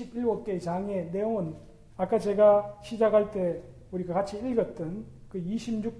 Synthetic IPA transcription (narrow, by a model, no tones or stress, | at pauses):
ibiɭɡok͈et͡ɕaŋe̞ne̞oɯn | ak͈at͡ɕe̞ɡaɕʰid͡ʑakʰaɭt͈e̞ | uɾiɡakat͡ɕʰiiɭɡʌt̚t͈ɯnkɯiɕʰimɲuk̚